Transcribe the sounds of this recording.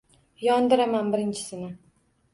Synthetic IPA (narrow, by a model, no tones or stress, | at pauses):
jɒnd̪ɪɾamanbɪɾɪnt͡ʃʰɪ̥sɪnɪ